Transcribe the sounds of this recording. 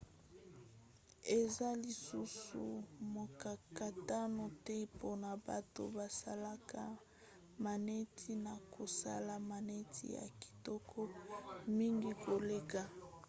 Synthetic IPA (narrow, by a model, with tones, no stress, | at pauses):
e˨za˦li˨su˦sṵ˨mo˨ka˨ka˨ta˦no˨tɛ˦po˦na˨ba̰˨to̰˦ba˨sa̰˦la˦ka˦ | ma˨ne˦tʰi˦na˨ko˨sa̰˦la˨ma˨ne˦tʰḭ˦ja̰˨ki̥˨tɔ˦kʰɔ˦mi˦ŋɡi˦ko˨le˦ka˨